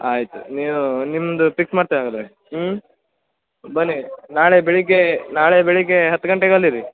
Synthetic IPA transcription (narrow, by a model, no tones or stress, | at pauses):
aːjit̪ṵniːʋunimːnd̪upiksmaːɽt̪iʋaːɡɐd̪ɾe | bɐnːinaːɭebeɭikenaːɭebeɭikeɦɐt̪ːuɡɐɳʈeɡalːiɾi